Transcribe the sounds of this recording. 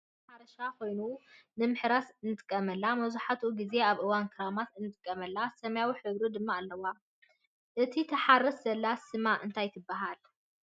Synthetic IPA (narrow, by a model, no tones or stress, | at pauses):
ħaɾɐʃako̞jnunɨmɨħɾasɨnːɨt̪ʼɨ̥kʼːɐmɐlːamɐzuħat̪ʰuɡize̞aβʔɨwankʰɨɾamat̪ɨnːɨt̪ʼɨkʼːɐmɐlːasɐmɐjawiħɨβɾud̪ɨmːaːlːɐwa | ʔɨt̪ʰit̪ʰɐħarɐszɐlːasɨmaʔɨnt̪ʰajt̪ʰɨbːaɦal